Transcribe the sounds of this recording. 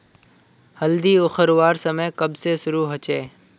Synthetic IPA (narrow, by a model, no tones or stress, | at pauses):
hɐld̪iːʊxəɾʋaːɾsəməjkɐbsesʊɾuɦɐt͡ʃeː